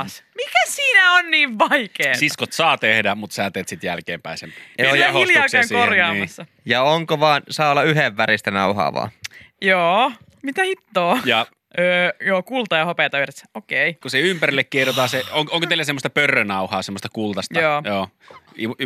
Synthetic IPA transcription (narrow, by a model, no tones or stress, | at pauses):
smikæssiːnæonniːʋʋɑikeːsiskot̪sɑːt̪ehdæmut̪sæːt̪eːt̪sit̪jælkḛːmpæisemjɑhiljɑkæŋsorjɑːɑsːɑ | jɑoŋkoʋɑːnsɑːolːɑyheʋːæɾist̪ænɑuhɑ̰ːʋɑ̰ːjoː | mit̪æhit̪ːoːjɑ | øːjoːkult̪ɑjɑhopeˑt̪ɑʋiret̪ːokeikuseympærilːekkierjot̪ɑːseoŋkoŋkot̪eilːˑæsemːost̪ɑpørːønɑuhɑːsemːost̪ɑkult̪ɑst̪ɑoːjoː | i